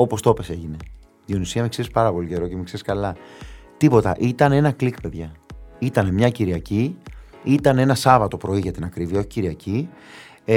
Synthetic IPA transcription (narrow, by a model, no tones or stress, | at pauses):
o̞po̞st̪o̞pe̞se̞ʝine̞ | ðionisiɐmekseɾispɐɾɐpo̞lice̞ɾo̞cemekse̞ɾiskɐlɐt̪ipo̞t̪ɐ̰ʔit̪ɐne̞nɐklikpe̞ðʝɐit̪ɐne̞mɲɐciɾiɐci | it̪ɐne̞nɐsɐvɐt̪o̞pɾo̞iʝɐt̪inɐkɾiviɐo̞çi̥ciɾiɐci